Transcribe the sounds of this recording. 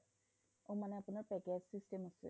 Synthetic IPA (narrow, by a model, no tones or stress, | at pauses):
õmanɛapʊnaɹpɛked͡ʒsistemasɛ̰